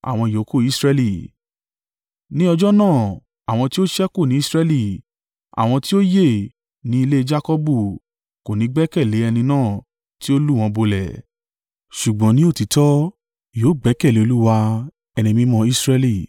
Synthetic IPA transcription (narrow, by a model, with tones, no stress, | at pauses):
a̰˨w̃ɔ̃˧i˨jo˨˦ko˦˨i˦sɾɛ˧li˨ | nĩ˦ɔ˧d͡ʒɔ˦nãː˦˨ | a˨w̃ɔ̃˧ti˦o˦ʃɛ˦ko˦˨nĩ˨˦i˦sɾɛ˧li˦˨ | a̰˨w̃ɔ̃˧ti˦o˦je˦˨ | nĩ˨˦i˧le˦d͡ʒa˦kɔ˦bu˦˨ | ko˨nĩ˨˦ɡ͡bɛ˦kɛ˦˨le˨˦ɛ˧nĩ˧nãː˦˨ | ti˦o˦lu˦˨w̃ɔ̃˧bo˧lɛ̰˨ | ʃu˨ɡ͡bɔ̃˨˦nĩ˦o˦˨ti˨˦tɔ˦ | joː˨˦ɡ͡bɛ˨˦kɛ˦˨le˨˦o˧lu˦wa˧ | ɛ˧nĩ˧mĩ˦mɔ̃˧i˦sɾɛ˧li˦˨